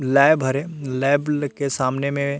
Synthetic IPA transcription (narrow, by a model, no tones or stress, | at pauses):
lɛːɪbʱəɾe | lɛːblkesaːmnemẽ